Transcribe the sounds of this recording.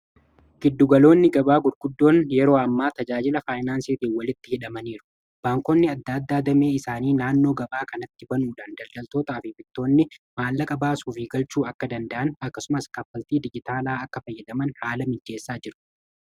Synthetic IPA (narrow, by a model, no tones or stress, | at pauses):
ɡ̥ɪd̪ːʊɡɐlo̞ːnːɪɡɐbaːɡʊɾɡ̥ʊd̪ːo̞ːnjɛɾo̞ːɐmːaːt̪ɐd͡ʒaːd͡ʒɪlɐfaːjnaːnsiːt̪iːnwɐlɪt̪ːɪhɪᶑɐmɐniːɾʊ̥ | b̥aːŋkɔnːɪɐd̪ːaːd̪ːaːd̪ɐme̞ːɪsaːniːnaːnːo̞ːɡɐbaːkɐnɐt̪ːɪbɐnuːᶑaːnd̪ɐlɡ̪ɐlt̪o̞ːt̪aːfɪbɪt̪ːo̞ːnːɪmaːlːɐkʼɐbaːsuːfɪɡɐlt͡ʃuːɐkːɐd̪ɐnd̪ɐʔɐnɐkːɐsʊmɐskɐfːɐlt̪iːd̪ɪd͡ʒɪt̪aːlaːɐkːɐfɐjːɛd̪ɐmɐnhaːlɐmɪd͡ʒːe̞ːsːaːd͡ʒɪɾʊ̥